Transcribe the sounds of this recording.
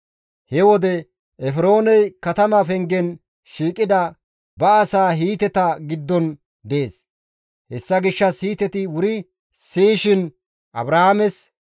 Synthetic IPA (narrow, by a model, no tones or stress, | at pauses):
hɛwɔd̪ɛ | ʔɛfɾo̞ːnɛjkɐt̪ɐmɐfɛŋɡɛn | ʃiːkʼɪd̪ɐ | bɐːsaːɦiːt̪ɛt̪ɐɡɪd̪ːɔn | d̪eːs | hɛsːɐɡɪʃːɐshiːt̪ɛt̪ɪwʊɾɪ | siːʃɪn | ʔɐ̰bɾɐhamɛs